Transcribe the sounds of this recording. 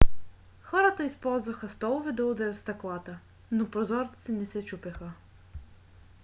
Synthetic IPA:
xɔɾət̪əispɔlˠzvəxəst̪ɔlˠʊvɛd̪ɐʊd̪ɛɾʲət̪st̪ɐklˠat̪ə | nopɾozɔɾt̪ə̥sɛnɛsɛt͡ʃupɛxə

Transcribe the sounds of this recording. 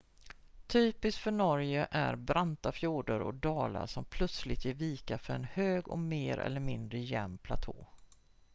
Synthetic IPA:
t̪ʰyːpɪsk̪fœɳɔɾjəʔæɾbɾant̪afjuːɖəɾɔ̰k̚d̪ɑːla̰ʂɔmpʰlɵt̪slɪt̪jɪɾviːkafœɾɛnhøːɡɔmeːɾɛ̰lːəɾmɪnd̪ɾəjɛmːpʰlat̪ʰo̰ː

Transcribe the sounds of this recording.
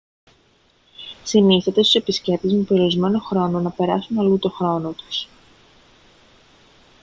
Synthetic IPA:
siniθet̪e̞st̪u̥se̞pisce̞p̚t̪izmepeɾioɾizme̞no̞xɾo̞no̞nɐpe̞ɾɐsunɐlut̪o̞xɾo̞no̞t̪u̥s

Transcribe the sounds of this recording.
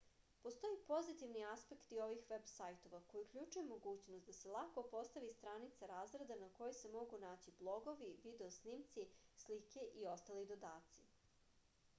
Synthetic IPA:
post̪o̞jipo̞zit̪iʋniaspe̞kt̪io̞ʋixʋe̞bsajt̪o̞ʋako̞jiukʎʲuːt͡ʃujemo̞ɡuːt͡ɕnost̪d̪aselˠakopo̞st̪aʋist̪ɾanit̪saɾaːzɡɾed̪anako̞jese̞mo̞ɡunaːt͡ɕiblˠo̞ɡo̞ʋiʋid̪eosniːmt̪sislike̞ʔio̞st̪alid̪o̞d̪aːt̪si

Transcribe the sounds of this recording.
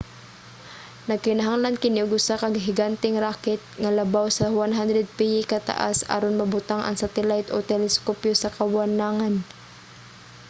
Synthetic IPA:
nɐɡ̚kɪnɐɦaŋlankɪnoɡʊsakɐɡɦɪɡant̪ɪŋɾaːkɪt̪̚ŋalɐbawsɐwanɦand̪ɾɛd̪̚pijɪkɐt̪a̰ʔa̰sa̰ːɾonmɐbʊt̪aŋʔɐ̰ŋsat̪ɛlajt̪ʔot̪ɛlɛskopjosɐkɐwanaŋan

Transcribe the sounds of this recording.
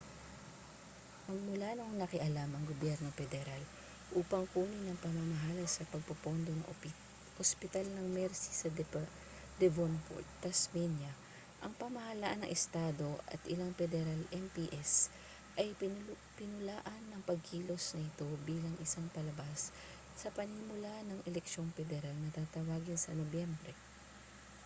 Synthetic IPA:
mɐɡ̚mʊlanoŋnɐkɪʔɐlamɐŋɡobjɛɾno̞pɛd̪ɛɾal | ʔuːpɐŋkuːnɪnɐŋpɐmamɐɦaːlɐsɐpɐɡ̚pɐpo̞nd̪o̞nɐŋʔ | ospɪt̪alnɐŋmɛɾsi̥sɐ | d̪ɛvonpo̰t̪̚t̪ːɐsmɛnjɐ | ʔɐŋpɐmɐhɐlaʔanɐ̰ŋʔɛst̪aːd̪o̞ʔɐ̰t̪ʔɪlaŋpɛd̪ɛɾalɛmpiʔɛs | ʔɐj | pɪnʊlaːʔɐnːɐŋpɐɡ̚hiːlo̞snɐʔɪt̪o̞biːlɐŋʔɪsaŋpɐlɐbasː | ɐpɐŋhɪmʊlaʔnɐŋʔɛlɛkʃo̞ŋpɛd̪ɛɾalnɐt̪aːt̪ɐwaːɡɪnsɐnobjɛmbɾɛ

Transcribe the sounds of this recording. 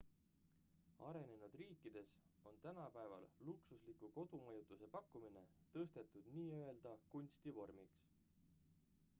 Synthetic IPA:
ɑ̰ɾe̞ne̞nud̪̥riːkːˑid̪̥e̞s | o̞nt̪ænɑpæevɑ̰lluksuslikˑuko̞d̪̥umɑjut̪ːˑuse̞pɑkːumine̞t̪ɤst̪e̞t̪ːˑud̪̥niːøe̞ld̪̥ɑkunʲst̪ivo̞rmiks

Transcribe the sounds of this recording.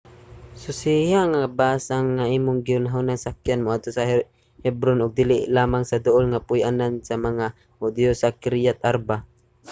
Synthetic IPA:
sʊsihaŋabaːsaŋːaʔiːmʊŋɡɪʊnɦawnaŋsak̚janmoʔad̪̚t̪osah | hɛbɾonʊɡ̚d̪ɪlɪlaːmaŋsad̪ʊʔolŋapʊjʔanansamaŋa | hʊd̪josakɪɾjat̪̚ʔaɾba

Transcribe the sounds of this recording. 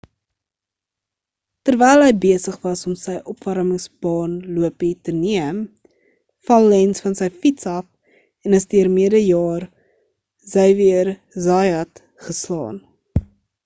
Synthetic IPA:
tərvɛjlˠɦəjbiəsəχvɐsɔmsəjʔɔpvɐɾməŋsbɑːnluəpitəniəm | fɐlˠːɛnsfɐnsəjfitsɐf | ɛnəsdiərmiədəjɑːr | zəjviər | zɑjɐt | χəslɑ̰ːn

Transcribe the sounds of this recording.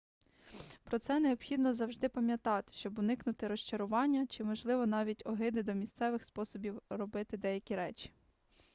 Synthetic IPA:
pɾɔt̪sɛneɔbxʲid̪nɔzɐwʒd̪ɪpɐmʲjɐt̪ɑt̪ɪ̥ʃt͡ʃɔbʊnɪknʊt̪ɪɾɔʃt͡ʃɐɾʊʋɑnʲːɐt͡ʃɪmɔʒlˠɪʋɔn̪ɑʋʲitʲɔɦɪd̪ɪd̪ɔmʲist̪sɛʋɪxspɔsɔbʲiwrɔbɪt̪ɪd̪ɛjɐkʲiɾɛt͡ʃʲi̥

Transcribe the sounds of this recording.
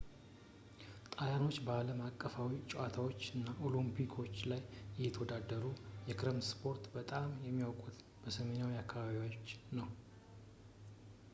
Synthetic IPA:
t̪ʼajano̞t͡ʃːbəaləmakʼːəfawit͡ʃʼuʔat̪ʰawot͡ʃːɨnːaʔo̞limpʰikʰo̞t͡ʃːlajɛjɛt̪ʰəwɔd̪ad̪əɾujɛkɾemspʰo̞ɾt̪bət̪ʼamjɛmːiokʼut̪ | b̥əsəme̞nawiakʰːaβaβiwot͡ʃːnəw

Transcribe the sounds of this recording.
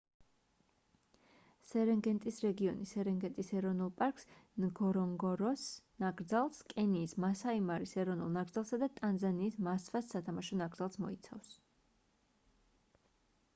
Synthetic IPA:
sɛɾɛŋɡɛnt̪ʼisɾɛɡiɔnisɛɾɛŋɡɛnt̪ʼisɛɾɔvnulˠpʼaɾkʼsnɡɔɾɔŋɡɔɾɔsnaɡɾd̪zalˠskʼɛniːsmasaimaɾisɛɾɔvnulˠnaɡɾd̪zalˠsad̪at̪ʼanzaniːsmasvasːat̪ʰamaʃɔnaɡɾd̪zalˠsmɔ̰it̪sʰa̰fs

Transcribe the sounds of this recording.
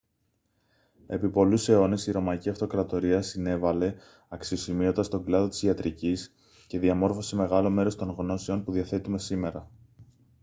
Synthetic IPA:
e̞̰pipo̞luse̞o̞ne̞siɾo̞mɐiciɐft̪o̞kɾɐt̪o̞ɾiɐsine̞vɐle̞ | ɐksio̞simio̞nd̪ɐst̪o̞ɡlɐðo̞t̪izʝɐt̪ɾʔicis | ce̞ðiɐmo̞ɾfo̞se̞me̞ɣɐlo̞me̞ɾo̞st̪o̞ŋɣno̞seo̞npuðiɐθe̞t̪ume̞sime̞ɾɐ

